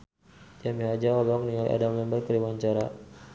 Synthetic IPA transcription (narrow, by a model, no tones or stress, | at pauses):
d͡ʒamiad͡ʒaɔlɔkniŋalḭʔa̰dalɛmbəkəɾiwaɲt͡ʃaɾa